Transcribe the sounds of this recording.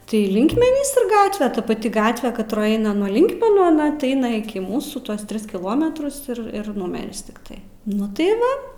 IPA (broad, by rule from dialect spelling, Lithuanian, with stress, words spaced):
tɐɪ ˈlʲɪŋkmʲɛnʲiːs ɪr ˈɡɑːtʲʋʲɛ ˈtɐ pɐˈtʲɪ ˈɡɑːtʲʋʲɛ kɐtˈroːj ˈɛɪnɐ nuɔ ˈlʲɪŋkmʲɛnuː ɐˈnɐ tʲɪ ˈɐɪnɐ ɪˈkʲɪ ˈmuːsuː ˈtuɔs ˈtʲrʲɪs kʲɪˈlˠoːmʲɛtrʊs ɪr ˈɪr ˈnʊmʲɛrʲɪs tʲɪkˈtɐɪ ˈnʊ tɐɪ ˈʋɐ